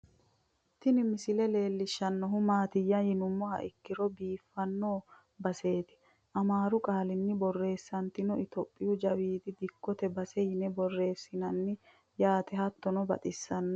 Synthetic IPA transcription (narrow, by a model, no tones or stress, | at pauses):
t̪ɪnɪmɪsɪlɛle̞ːlːɪʃːɐnːɔɦʊmaːt̪ɪjːɐhɪnʊmːɔhɐ̰ʔɪkːɪɾɔbiːfːɐnːoː | bɐse̞ːt̪ɪ̥ | ʔɐmaːɾʊkʼaːlɪnːɪbɔrːe̞ːsːɐnt̪ɪnɔɪt̪ɔpʼːɪjʊd͡ʒɐwiːd̪ɪd̪ɪkːɔt̪ɛbɐsɛjɪnɛbɔrːe̞ːsːɪnɐnːɪ | jaːt̪ɛhɐt̪ːɔnɔbɐ̰t̪ʼɪsːɐnːɔ